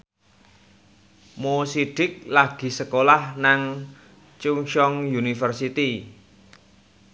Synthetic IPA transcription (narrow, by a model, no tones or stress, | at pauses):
mosiɖ̥ɪk̚laɡ̥i̤səkolahnaŋ | t͡ʃuŋʃɔŋjunifərsit̪i